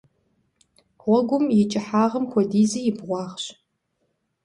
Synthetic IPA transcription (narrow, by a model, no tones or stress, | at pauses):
ʁʷɔɡʷʊmjɪt͡ʃʼɪħaːʁɐmxʷɔdiːzɐjɪbʁʷɑːʁɕ